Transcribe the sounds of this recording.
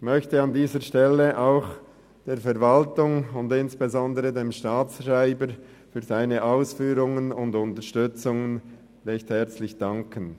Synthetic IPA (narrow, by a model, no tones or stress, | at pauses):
çmœçtəɑndiːzəʃtɛlːəʔaʊx | d̥eːɾfɛɾvaltʊŋʊndɪnsb̥ezɔndəʁədemʃtaːt͡sraɪbəɾ | fyːɐzaɪnəʔaʊsfyːɾʊŋənʊndʊntəɾʃtʏt͡sʊŋən | ʁɛçthɛʁt͡slɪçd̥ɑŋkʰən